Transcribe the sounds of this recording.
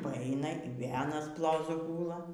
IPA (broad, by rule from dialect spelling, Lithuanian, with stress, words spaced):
pɐˈɐɪnɐ ɪr ˈʋʲeːlˠ ɐˈnɐs ˈplˠoːzʊ ˈɡuːlˠɐ